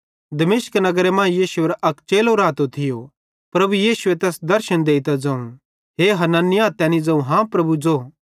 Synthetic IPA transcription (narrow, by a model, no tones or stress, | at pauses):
d̪ɐmeːsknɐɡəɾemãːjiːʃuɐɾʔɐkt͡ʃeːloɾaːt̪ot̪ʰɪjo | pɾɐbujiːsuet̪ɛːsd̪ɐɾʃənd̪eːit̪ad͡zãːũ | ɦeːɦɐnanɪjaːt̪ɛːnid͡zɐ̃ũɦãpɾɐbud͡zoː